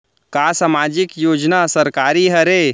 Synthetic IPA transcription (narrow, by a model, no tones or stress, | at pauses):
kaːsamaːd͡ʒɪkjoːd͡ʒnasɐɾkaːɾiɦɐɾeː